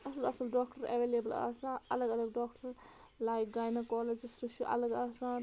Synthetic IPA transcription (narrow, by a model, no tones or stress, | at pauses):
ɐsɐlɐsɐlɖɔːkʈɐɾḛʋeːlebɐlɐ̰sãɐləɡɐləɡɖɔːkʈɐɾ | lajk̚ɡaːjnɐkɔːled͡ʒsɾiʃjuʔɐ̰ləɡaːsãn